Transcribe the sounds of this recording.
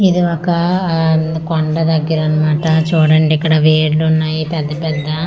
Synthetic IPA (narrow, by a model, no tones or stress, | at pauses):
id̪iɔkɐ | koɳɖɐd̪ɐɡːiɾɐnumaːʈɐt͡ʃuːɽɐɳɖiikːɐɽɐʋeːɾlunːaːjipɛd̪ːɐpɛd̪ːɐ